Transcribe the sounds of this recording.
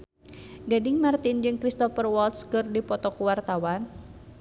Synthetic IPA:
ɡadɪŋmart̪ind͡ʒɨŋkɾist̪ɔfərwɔlt̪skɨrdipɔt̪ɔkuwart̪awan

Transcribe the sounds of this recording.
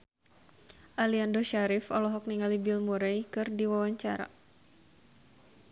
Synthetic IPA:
ʔaliandoʃaɾɪfɔlɔɦɔk̚niŋalibɪlmuɾɛjkɨrdiwawaɲt͡ʃaɾa̰

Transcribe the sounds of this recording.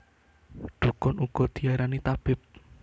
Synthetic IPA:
ɖ̪̥ṳkʊnuɡ̥ɔ̤d̪̥i̤aɾanit̪ab̥ɪp̚

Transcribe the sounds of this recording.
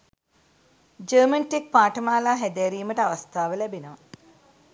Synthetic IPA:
d͡ʒəːmɐnʈik̚paːʈɐmaːlaːɦed̪eːɾiːmɐʈɐʋɐst̪ʰaːʋɐlebinɐʋɐ

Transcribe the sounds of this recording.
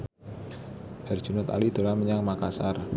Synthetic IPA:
b̥ar̥ʒ̥unʊt̪a̰lid̪̥o̤laməɲaŋmakasar

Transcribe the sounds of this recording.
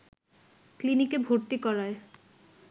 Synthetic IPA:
klinikebʱoɾt̪ikɔɾae

